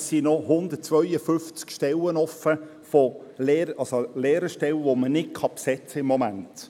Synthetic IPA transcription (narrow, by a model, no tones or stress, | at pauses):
ssinɔhʊndət̚t͡sʋœʏjəfʏnft͡skʃtɛlənɔfə | fɔlɛːɾəɑlsolɛːɾəʃtɛlʋomənɪt̚kʰɑpsɛt͡səɪmːɔmæ̰nt